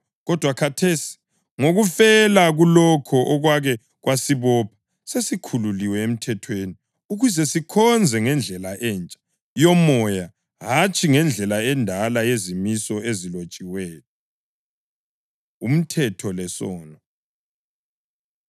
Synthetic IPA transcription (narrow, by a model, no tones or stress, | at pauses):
ɣɔd̥ʱwakʰatʰesi̥ | ŋoɣufɛlaɣulɔkʰɔʔɔɣwaɣɛ | ɣwasiβɔpʰḁ | sesikʰululiwɛem̩tʰɛtʰweni | uɣuzɛsikʰɔnd͡zʱɛŋɛnd͡ɮʱɛlaʔɛːnt͡ʃʼḁ | jɔmɔja | ɦat͡ʃʰʼiŋɛnd͡ɮʱɛlaɛndʱalajezimisɔezilot͡ʃʼiwɛːt̚ʰɔ | um̩tʰɛtʰɔlɛsɔːnɔ